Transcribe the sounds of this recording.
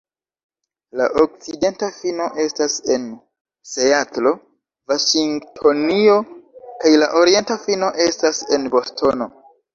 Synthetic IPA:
laʔok̚t͡side̞ntafino̞ʔe̞stase̞n | seatɾo̞ | vaʃiŋtʰo̞nio̞kajlaʔoɾie̞ntafino̞ʔe̞stase̞nbo̞stʰo̞no̞

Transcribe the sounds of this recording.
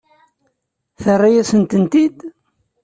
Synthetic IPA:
θərˤːajæsənt̪ənt̪id̪

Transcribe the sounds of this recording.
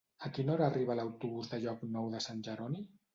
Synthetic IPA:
əkinoɾaːriβələwt̪uβuzðəʎɔknɔwðəsanʲʒəɾɔni

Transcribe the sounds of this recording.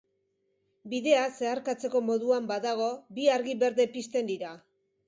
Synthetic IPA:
biðe̞ase̞aɾkat͡se̞ko̞mo̞ðuambaðaɣ̞o̞biaɾɣiβe̞ɾðe̞pist̪e̞nd̪iɾa

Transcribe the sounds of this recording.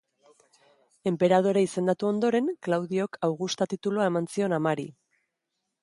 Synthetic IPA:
e̞mpe̞ɾað̞o̞ɾaise̞nd̪at̪uo̞nd̪o̞ɾe̞ŋklawð̞io̞kʰawɣust̪at̪it̪uluae̞mansio̞namaɾḭ

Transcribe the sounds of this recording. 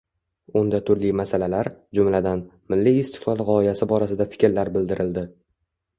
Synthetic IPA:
ʊnd̪at̪ʰʊɾlimasalalaɾd͡ʒʊmlad̪anmɪlːiɪst̪ɪ̥qlˠɒlˠʁɒɪjasɪbɒɾasɪd̪afɪ̥kʲɾlaɾbɪld̪ɪɾʔɪld̪ɪ

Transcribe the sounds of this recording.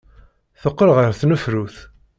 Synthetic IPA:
θəqːəɾʁəɾθnəfɾuθ

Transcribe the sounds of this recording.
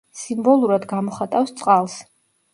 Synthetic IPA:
simbɔlˠuɾad̪ɡamɔχat̪ʼafst̪sʼqʼalˠs

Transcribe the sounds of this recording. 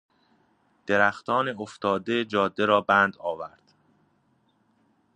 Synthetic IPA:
d̪̥e̞ɾæxt̪ʰɒːneoft̪ʰɒːd̪ed͡ʒɒːd̪ːeɾɒːbænd̪ɒːvæɾd̪̥

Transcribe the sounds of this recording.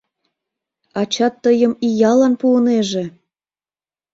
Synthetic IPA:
ɑt͡ɕɑt̪ːəjəmijɑlɑnpuəneʒĕ

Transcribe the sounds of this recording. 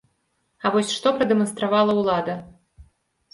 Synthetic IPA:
avɔsʲʂt̪ɔpɾɐd̪ɛmɐnst̪ɾavalˠɐwlˠad̪ɐ

